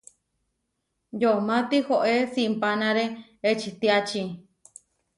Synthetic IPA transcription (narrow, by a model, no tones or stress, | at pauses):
jomãt̪ihoʔesimpanãɾeet͡ʃit̪iat͡ʃĩ